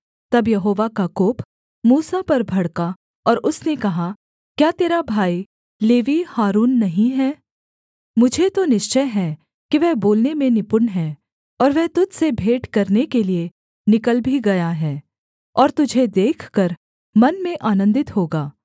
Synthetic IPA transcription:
t̪ɐbjɐɦoːʋakakoːp | muːsapɐɾbʱɐɽka | ɔːɾʊsnekɐɦa | kjaːt̪eːɾabʱaːi | leːʋihaːɾuːnːɐɦĩɦɛː | mʊd͡ʒʱet̪onɪʃt͡ʃəjɦɛː | kiʋɛɦboːlnemẽnɪpʊɾnɦɛː | ɔːɾʋɛɦt̪ʊd͡ʒsebʱeːʈkɐɾnekelie | nɪkəlbʱiɡɐjaɦɛː | ɔːɾt̪ʊd͡ʒʱed̪eːkʰkɐɾ | mɐnmẽʔaːnə̃nd̪ɪt̪ɦoːɡaː

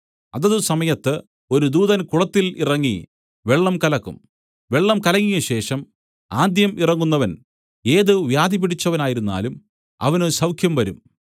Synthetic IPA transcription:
ɐðɐðusɐmɐjɐt̪ːɨ | o̞ɾud̪uːðɐnkuɭɐt̪ːilḭrɐŋːi | ʋeɭːɐmkɐlɐkːṵm | ʋe̞ɭːɐmkɐlɐŋːijɐɕe̞ːʂɐm | aːd̪jɐmirɐŋːunːɐʋɐn | e̞ːðɨʋjaːd̪ipiɽit͡ɕːɐʋɐnaːjiɾunːa̰ːlum | ɐ̰ʋɐnɨsɐwkʰjɐmʋɐɾum

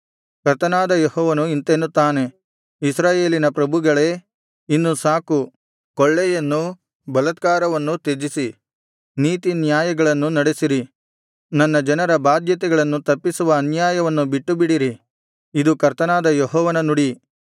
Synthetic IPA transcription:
kɐɾt̪ɐnaːd̪ɐjehɔːʋɐnuint̪enːut̪ːaːne̞ | isɾaːje̞ːlinɐpɾɐbʱuɡɐɭeː | inːusaːku | koɭːɛjɐnːu | bɐlɐt̪̚kaːɾɐʋɐnːut̪ed͡ʒisi | niːt̪injaːjɐɡɐɭɐnːunɐɽesiɾi | nɐnːɐd͡ʒɐnɐɾɐbaːd̪jɐt̪̬ɛɡɐɭɐnːut̪ɐpːisuʋɐːnjaːjɐʋɐnːubiʈːubiɽiɾi | id̪ukɐɾt̪ɐnaːd̪ɐjeɦɔːʋɐnɐnuɽi

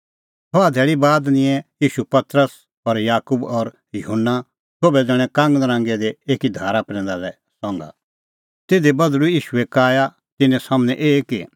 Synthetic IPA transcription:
t̪ʰɔad̪ʱɛːɭibaːd̪nɪ̃ɛ̃jiːʃupɐt̪ɾəs | ɔɾjaːkubɔɾ | jʊɦənːa | sʰoːbɛd͡zɛɽ̃ɛ̃kãːŋɡnɾãːŋɡɛd̪eeːkid̪ʱaːɾapɾɛ̃ːnd̪alɛ | sɔ̃ːŋɡa̰ | t̪eːd̪ebɐd̪lujiːʃuɛkaːja | t̪ɪnɛ̃saːmnɛ̃ʔeːki

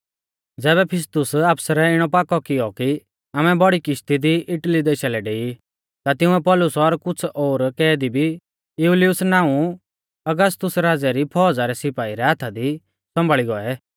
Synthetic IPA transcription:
d͡zɛːβɛpʰɪst̪ʊsapsɾɛɪɽ̃ɔpaːkɔkɪjɔki | aːmɛbɔɽikɪʃt̪id̪iʔɪʈlid̪eːʃalɛɖeːi | t̪at̪ɪʊ̃ɛpɔlʊsɔɾkʊt͡sʰoːɾkɛːd̪ibʱi | juliʊsnaːũ | ɐɡəs̬t̪ʊsɾaːd͡zɛɾipʰɔːd͡zaɾɛsɪpaːiɾɛat̪ʰad̪i | sɔ̃mbʱaɭiɡɔɛ

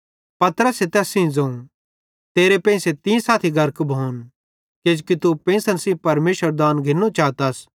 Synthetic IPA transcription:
pɐt̪əɾəset̪ɛːsĩd͡zɐ̃ũ | t̪eːɾepɛ̃ːɪ̃set̪ĩsaːt̪ʰiɡʱɐɾkbʱoːn | ked͡ʒkit̪upɛ̃ɪ̃sənsĩpɐɾmeːʃəɾd̪aːnɡʱɪnːũt͡ʃaːt̪ɐs

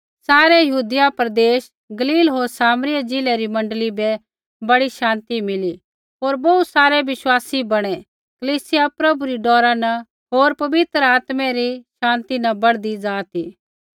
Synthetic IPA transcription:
saːɾɛjɐɦuːd̪ɪjapɾɐd̪eːʃ | ɡɐliːlɦoːɾsaːmɾɪjad͡ʒɪlɛɾimɐ̃ɳɖlibɛ | bɐɽiʃãːnt̪imɪli | ɦoːɾbɔut̪saːɾɛʋɪʃwaːsibɐɽ̃ɛ | kɐliːsɪjapɾɐbuɾiɖɔːɾanɐ | ɦoːɾpɐʋɪt̪ɾəaːt̪mɛɾiʃãːnt̪inɐbɐɽd̪id͡zaːt̪i

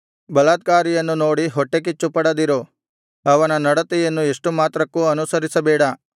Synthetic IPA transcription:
bɐlaːd̪̚kaːɾijɐnːunoːɽiɦoʈːek̬it͡ʃːupɐɽɐd̪iɾo | ɐʋɐnɐnɐɽɐt̪ɛjɐnːueʂʈumaːt̪ɾɐkːuːɐnusɐɾisɐbɛːɽɐ

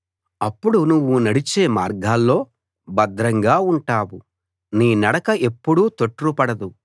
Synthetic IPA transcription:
ɐpːuɽunuʋːunɐɽit͡ʃeːmaːɾɡʱaːlːo̞ː | bɐd̪ɾɐŋɡaːuɳʈaːwu | niːnɐɽɐkɐʔe̞pːuɽut̪o̞ʈːɾupɐɽɐd̪u

